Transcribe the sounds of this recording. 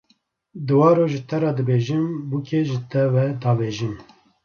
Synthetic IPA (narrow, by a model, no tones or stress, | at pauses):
d̪ɨwɑːɾoːʒɨt̪ʰɛɾɑːd̪ɨbeːʒɨmbukʰeʒɨt̪ʰɛwɛd̪ɑːveːʒɨm